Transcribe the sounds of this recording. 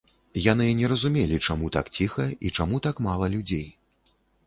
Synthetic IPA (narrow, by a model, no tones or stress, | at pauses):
jan̪ɨnʲɛɾɐzumʲelʲit͡ʂamut̪a̰kt͡sʲixɐit͡ʂamut̪akmalˠɐlʲud͡zʲej